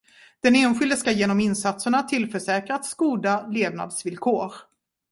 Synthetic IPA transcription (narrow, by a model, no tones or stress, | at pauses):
d̪̥ɛneːnɧɪld̪əskajeːnɔmɪnsat̪səɳat̪ʰɪlfœʂɛːkɾat̪skuːd̪aleːvna̰d̪svɪlkʰoːɾ